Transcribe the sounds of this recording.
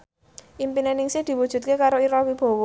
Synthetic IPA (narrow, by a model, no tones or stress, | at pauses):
ʔimpinenɪŋsɪhd̪̥i̤wud̥ʒ̥ṳt̪̚kekaɾoiɾɔwib̥ɔ̤wɔ